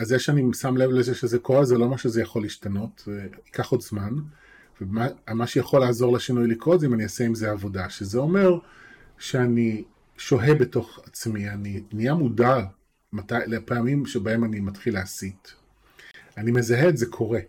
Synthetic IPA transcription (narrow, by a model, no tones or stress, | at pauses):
azːeʃeanisamle̞vlezeʃezeko̞ʁezelo̞maʃezejaχo̞liʃtano̞teikaχo̞dzman | vemamaʃejaχo̞laːzo̞ʁleʃinujlikʁo̞etzeimanijaseimzeavo̞daʃezeo̞me̞ʁ | ʃeani | ʃo̞ɦebe̞to̞χat͡smianinijamuda | matajlepeamimʃebaemanimatχileasit | anime̞zaɦeːtzekʰo̞ʁe̞